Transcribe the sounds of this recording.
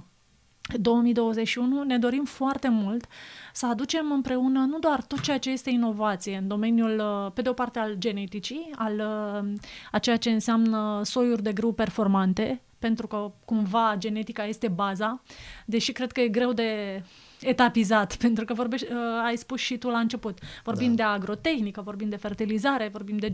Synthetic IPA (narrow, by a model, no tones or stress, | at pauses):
d̪o̞wəmijd̪o̞wəze̞t͡ʃʃiunune̞d̪o̞ɾimfoart̪e̞mult̪səad̪ut͡ʃe̞mɨmpɾe̞unənud̪oart̪o̞t̪̚t͡ʃejat͡ʃe̞je̞st̪e̞ino̞vat̪sije̞ɨnd̪o̞me̞njulpe̞d̪eo̞part̪e̞ald͡ʒe̞ne̞t̪it͡ʃial | at͡ʃe̞jat͡ʃe̞ɨnseamnəso̞jurʲd̪e̞ɡɾɨwpe̞rfo̞rmant̪e̞ | pe̞nt̪ɾukəkumvad͡ʒe̞ne̞t̪ikaje̞st̪e̞bazad̪e̞ʃikɾe̞d̪̚kəje̞ɡɾe̞wd̪e̞ | et̪apizat̪pe̞nt̪ɾukəvo̞rbeajspusʃit̪ulaɨnt͡ʃe̞put̪vo̞rbimd̪e̞aɡɾo̞t̪e̞xnikəvo̞rbimd̪e̞fe̞rt̪ilizaɾe̞vo̞rbimd̪e̞